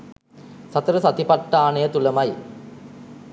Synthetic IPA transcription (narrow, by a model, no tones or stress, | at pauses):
sat̪ɐɾəsat̪ipaʈːaːnejət̪uləmaj